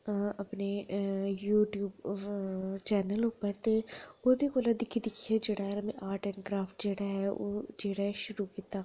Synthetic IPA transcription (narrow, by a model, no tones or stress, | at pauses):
ɐpnejuːʈjuːb | t͡ʃɛːnəlʊpəɾt̪eot̪ekoːlad̪ɪkʰid̪ɪkʰied͡ʒeːɽaɦɛɾɐmẽʔaːɾʈɛːnkɾaːfʈd͡ʒeːɽaɦɛo̰ːd͡ʒeːɽaɦɛʃʊɾukit̪aː